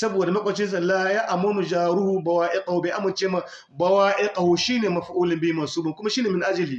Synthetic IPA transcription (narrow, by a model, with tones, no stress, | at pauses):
sɐ˦boː˨da˨mɐ˦kʷʼɐ˨t͡ʃɪ˦z̬ɐ˨lːaː˦jaː˦ʔa˨mɐ˦nu˨d͡ʒaː˨ɾu˦hu˦bɐ˨waː˦ʔe˦kʼɐ˨hu˦˨ba˨ʔa˦mɐ˨nt͡ʃeː˦ma˦ | bɐ˦waː˦ʔe˦kʼɐ˨hu˦ʃiː˦neː˨mɐ˨ɸʔuː˦lɪ˨mbiː˦ma˨suː˦bʊ˨kʷʊ˦ma˦ʃiː˦neː˨mɪ˨nʔa˦d͡ʒɐ˨liː˨